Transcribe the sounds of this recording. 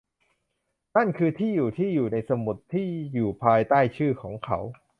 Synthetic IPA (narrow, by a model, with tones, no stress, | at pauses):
na˥˩nkʰɯː˧t̪ʰiː˥˩juː˨˩t̪ʰiː˥˩juː˨˩na˧jsa˧mu˨˩t̪ʰːiː˥˩juː˨˩pʰaː˧jt̪aː˥˩jt͡ɕʰɯː˥˩kʰɔː˩˦ŋkʰa˦˥w